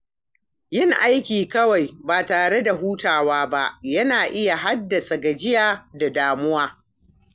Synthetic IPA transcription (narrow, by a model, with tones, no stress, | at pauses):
jɪ˦ŋʔa˦jkʲiː˨kɐ˦wa˨jbaː˨taː˨ɽe˦da˨ɦuː˦taː˨waː˦ba˦ʔjɐ˦naː˨ʔɪ˦ja˨ɦa˦dːɐ˨sa˨ɡɐ˨d͡ʒɪ˦jaː˨da˨daː˨mʊ˦waː˦